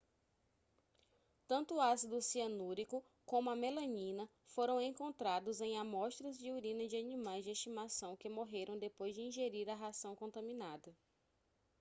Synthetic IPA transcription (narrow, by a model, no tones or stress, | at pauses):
t̪ɐ̃nt̪ʊasid̪ʊsiɐnuɾikʊ | kõmʊɐmelɐ̃ɲĩnɐ | foɾɐ̃w̃ẽŋkõnt̪ɾad̪ʊzẽj̃amɔʃt̪ɾɐzd͡ʒɪuɾĩnɐd͡ʒɪanĩmajzd͡ʒɪeʃt͡ʃimasɐ̃w̃kɪmoɦeɾʔɐ̃w̃d̪epojzd͡ʒɪĩʒeɾiɾɐɦasɐ̃w̃kõnt̪ɐ̃mĩnad̪ɐ